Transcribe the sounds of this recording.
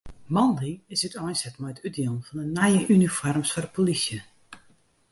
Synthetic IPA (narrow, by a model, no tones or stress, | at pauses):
mɔndiɪsətɔjnsɛtmɛjətʰyt̚dilˠnfɔndənajəʔynifɔrmsfɔrəpʰolisjə